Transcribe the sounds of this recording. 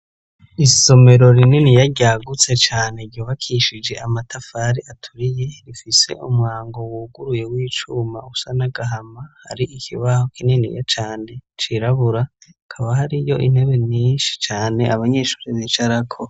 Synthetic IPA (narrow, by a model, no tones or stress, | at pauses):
iso̞me̞ɾo̞ɾininijaɾɟaːɡut͡se̞t͡ʃaːneɾɟuːβakʰiʃid͡ʒe̞ʔamatʰafaɾiatʰuɾije̞ɾifise̞̰ʔumŋaːŋɡo̞wuɡuɾuje̞wiːt͡ʃuma̰usanaɡaɦamaha̰ɾiʔikʰiβaho̞kininḭja̰t͡ʃaːne̞t͡ʃiɾaβuɾa | kʰaβahaɾijo̞̰ʔin̥e̞βe̞ɲiːnʃi̥t͡ʃaːne̞ʔaβaɲe̞ːʃu̥ːɾiβit͡ʃaɾakʰo